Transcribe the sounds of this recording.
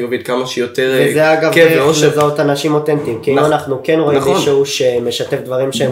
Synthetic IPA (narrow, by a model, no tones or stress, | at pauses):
ovid̪kamaʃejot̪eʁezeaɡavoʃezaot̪anaʃimo̞t̪ent̪imkiiuanaχnukenʁo̞imiʃeuʃeme̞ʃate̞fd̪vaʁimʃe